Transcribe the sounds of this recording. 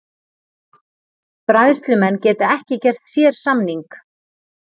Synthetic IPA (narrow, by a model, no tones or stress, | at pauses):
pɾajðst̪lʏmɛnːcɛːt̪aɛhcɪcɛr̥t̪sjɛːɾ̥samniŋk